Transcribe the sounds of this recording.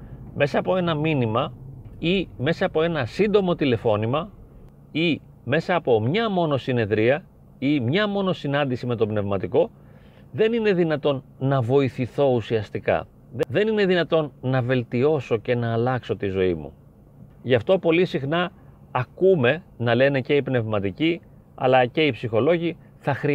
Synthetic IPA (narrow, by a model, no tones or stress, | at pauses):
me̞sɐːpo̞e̞nɐminimɐime̞sɐːpo̞e̞nɐsind̪o̞mo̞t̪ile̞fo̞nimɐ | i | me̞sɐːpo̞mɲɐmo̞no̞sine̞ðɾiɐ | imɲɐmo̞no̞sinɐnd̪isime̞t̪o̞pne̞vmɐt̪iko̞ | ðe̞nine̞ðinɐt̪o̞nːɐvo̞iθiθo̞usiɐst̪ikɐ̰ | ððe̞nine̞ðinɐt̪o̞nːɐve̞lt̪io̞so̞ce̞nɐːlɐkso̞t̪izo̞imṵ | ʝɐft̪o̞po̞lisixnɐː | kume̞nɐle̞ne̞ce̞ipne̞vmɐt̪ici | ɐ̰lɐce̞ipsixo̞lo̞ʝi | θɐxɾi